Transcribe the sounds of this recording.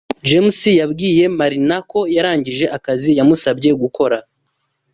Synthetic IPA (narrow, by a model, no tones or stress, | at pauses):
d͡ʒemsijabɡiːje̞maɾinako̞jaɾaːɲɟiʒe̞ʔakazijamusabɟe̞ɡuko̞ɾa